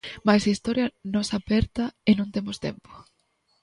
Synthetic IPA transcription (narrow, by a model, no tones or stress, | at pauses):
majsaist̪ɔɾjɐnosapɛɾt̪ɐɪnõnt̪emost̪ḛmpo̥